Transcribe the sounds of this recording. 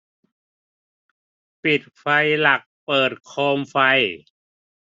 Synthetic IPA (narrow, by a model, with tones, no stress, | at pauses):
pi˨˩t̪̚fa˧jla˨˩k̚pɤː˨˩t̪̚kʰoː˧mfa˧j